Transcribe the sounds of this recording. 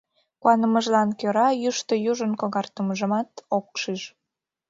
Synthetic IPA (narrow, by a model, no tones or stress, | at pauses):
kuɑnəməʒlɑnkøɾɑjyʃt̪əjuʒənkoɣɑrt̪əməʒəmɑt̪ok̚ʃiʃ